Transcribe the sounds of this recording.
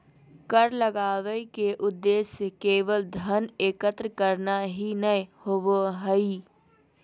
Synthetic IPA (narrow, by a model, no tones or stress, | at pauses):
kəɾləɡaːʋəkeʔʊd̪ːeːsjəkeːʋəld̪ʱəneːkət̪ɾəkəɾnaɦinəjhowoɦəi